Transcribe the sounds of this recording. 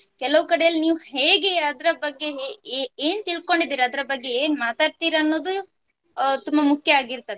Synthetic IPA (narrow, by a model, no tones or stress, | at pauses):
kɛlɐʋukɐɽejɐlːiniːʋuhe̞ːɡe̞ɐd̪ɐɾɐbɐɡːe̞eːnt̪iɭko̞ɳɖid̪iːɾɐd̪ɐɾɐbɐɡːe̞eːnmaːt̪aːɽt̪iːɾaːnːo̞ːd̪u | t̪umbɐmukʰjɐaːɡiɾt̪ɐd̪e